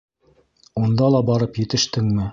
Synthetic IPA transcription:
und̪ɑlˠɑbɑɾɤpjɘ̆t̪ɘ̆ʃt̪ɘŋmɘ

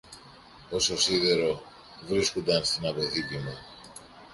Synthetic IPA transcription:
o̞so̞siðeɾo̞ | vɾiskond̪ɐnst̪inɐpo̞θit̪imu

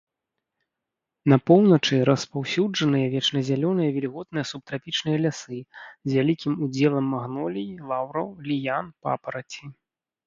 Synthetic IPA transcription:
nɐpɔwnɐt͡ʂɨɾɐspawsʲud͡ʐɐnɨjɐvʲɛt͡ʂnɐzʲalʲɔnɨjɐvʲɛlʲiɣɔd̪̚nɨjɐsup̚t̪ɾapʲit͡ʂnɨjɐlʲasɨzʲvʲalʲikʲimud͡zʲɛlˠɐmːɐɣnɔlʲijilˠawɾɐwlʲijanpa̰pɐɾɐt͡sʲi

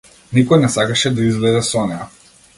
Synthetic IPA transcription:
nikɔjnɛsakaʃɛd̪aizvlɛd̪ɛsɔnɛa

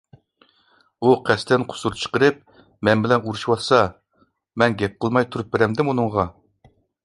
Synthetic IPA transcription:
uqʰæst̪ʰɪnqʰʊ̥suɾt͡ʃʰə̥qəɾɨp̚ | mɛnbɪlɛnuɾuʃwɑlˠsɑ | mɛnɡʲɛp̚qəlˠmɑjt̪ʰuɾup̚beɾɛmd̪ɪmunɨɴʁɑ

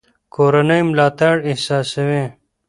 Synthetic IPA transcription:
koːɾɐnəjmlaːt̪aɽɪhsaːsəwẽ

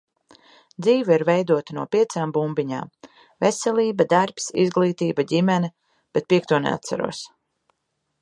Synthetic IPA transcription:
d̪ziːvaiɾvɛjd̪uɔt̪anuɔpʲiɛt̪saːmbumbiɲa̰ːm | vesɛlʲˠiːbad̪aɾpsḭzɡlˠiːt̪iːbaɟimɛnɛ | b̥et̪̚pʲiɛk̚t̪uɔnḛa̰t̪sa̰ɾṵɔs

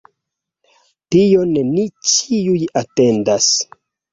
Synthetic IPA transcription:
tijo̞nnit͡ʃiujate̞ndas

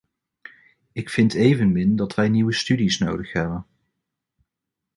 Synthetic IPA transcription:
ɪkfɪntejvənmɪndɑtʋɛjniwəstydisno̰wdəχɦɛbən

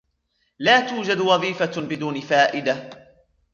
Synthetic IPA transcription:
laːt̪uːd͡ʒad̪wɑðˤiːfabɪd̪uːnɪfaːʔɪd̪a

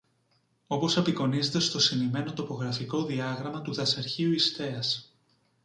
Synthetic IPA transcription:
o̞po̞sepiko̞nize̞t̪e̞st̪o̞sinime̞no̞t̪o̞po̞ɣɾɐfiko̞ðiɐɣɾɐmɐt̪uðɐsɐɾçiuist̪e̞ɐs

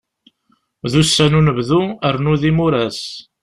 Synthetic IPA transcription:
ðusːænunəvðuəɾnuðimuɾæs

